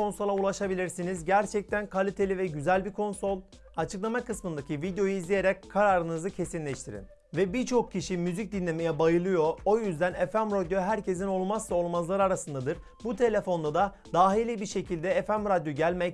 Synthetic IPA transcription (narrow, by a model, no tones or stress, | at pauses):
o̞nso̞lˠaulˠaʃabilʲiɾsinizɟæɾt͡ʃʰɛc̚t̪ʰænkʰalʲit̪ʰe̞lʲivɛɟyzælʲbiɾkʰo̞nso̞lˠ | at͡ʃʰɯklˠamakɯsmɯnd̪acʰivid̪ejo̞juuizlʲije̞ɾɛc̚kʰːaɾaːɾɯnɯzɯcʰe̞sinlʲɛʃt̪ʰiɾḭn | vɛbiɾt͡ʃʰo̞k̚cʰːiʃimyzic̚d̪inlʲe̞mejɛbajɯlˠɯjo̞o̞jyzd̪ænefæmɾad̪joɦæɾcʰe̞z̬ino̞lˠmaslˠao̞lˠmazlˠaɾɯaɾasɯnd̪ad̪ɯɾ | but̪ʰe̞lʲe̞fo̞nd̪ad̪a | d̪aːɦilʲibiɾʃe̞cʰilʲd̪ɛefæmɾad̪joɟælʲmɛc